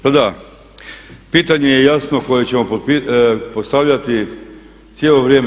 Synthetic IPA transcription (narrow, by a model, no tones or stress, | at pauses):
pad̪a | piːt̪aɲe̞jejasno̞ko̞jet͡ɕe̞mo̞popipost̪aʋʎʲat̪i | sjelo̞ʋɾjeːm